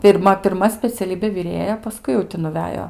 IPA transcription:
pʲɪrˈmɐ pʲɪrˈmɐ sʲpʲɛt͡sʲɛˈlʲiːbʲeː ʋʲɪˈrʲeːjɛ pɐˈskʊɪ jɛʊ ˈtʲɪ nʊˈʋʲæːjoː

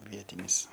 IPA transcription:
ˈʋʲiɛtʲɪnʲɪs

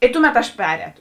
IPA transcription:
ɪ ˈtʊˌmʲɛt ɐʃ ˈpʲæːrʲɛːtoː

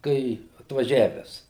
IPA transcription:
ˈkɐɪ ɐtʋɐˈʒʲæːʋʲɛs

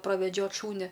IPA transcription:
prɐʋʲɛˈd͡ʒʲoːt ˈʃuːnʲɛ

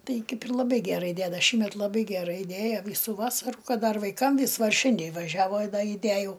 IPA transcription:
ˈtɐɪ ˈkɐɪp ɪr lˠɐˈbɐɪ ɡʲæˈrɐɪ ˈdʲædɐ ˈʃʲiːmʲɛt lˠɐˈbɐɪ ɡʲɛˈrɐɪ ˈdʲeːjɛ ˈʋʲiːsʊ ˈʋɑːsɐrʊ ˈkɐt ˈdɐr ʋɐɪˈkɐm ˈʋʲɪs ˈʋɐ ˈʃʲɪnʲdʲeː ʋɐˈʒʲæːʋoː ɪ ˈdɐ ɪˈdʲæjɛʊ

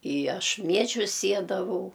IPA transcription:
ɪ ˈɐʃ ˈmʲiɛʒʲʊs ˈsʲiɛdɐʋɐʊ

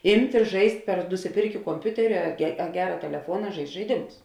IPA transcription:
ˈɪmʲtʲ ɪ ˈʒɐɪsʲtʲ pʲɛr nʊsʲɪˈpʲɪrʲkʲeː koːmʲˈpʲʊtʲɛrʲɪ ɐ ɐ ˈɡʲæːrɐ tʲɛlʲɛˈfuɔnɐ ˈʒɐɪsʲtʲ ʒɐɪˈdʲɪmʊs

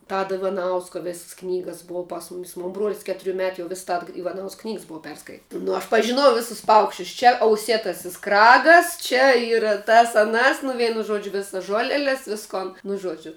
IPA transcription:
ˈtɑːdoː ɪʋɐˈnɐʊskoː ˈʋʲeːss ˈknʲiːɡɐs ˈbʊɐ pɐs ˈmʊmʲɪs moːn ˈbruɔlʲsʲ ˈkʲæːtʊrʲʊ ˈmʲæːtʊ jɛʊ ˈʋʲɪs ˈtɐt ɪʋɐˈnɐʊsk ˈknʲiːks ˈbʊɐ ˈpʲɛrskɐɪtʲ nʊ ɐʃ pɐʒʲɪˈnoːjɛʊ ˈʋʲeːsʊs ˈpɐʊkʃʲt͡ʃʲʊs t͡ʃʲɛ ɐʊˈsʲeːtɐsʲɪs ˈkrɑːɡɐs t͡ʃʲɛ ˈiːrɐ tɐs ɐˈnɐs nʊ ˈʋʲɛɪnʊ ˈʒuɔd͡ʒʲʊ ˈʋʲɪsɐs ˈʒuɔlʲɛlʲɛs ˈʋʲɪskoːn nʊ ˈʒuɔd͡ʒʲʊ

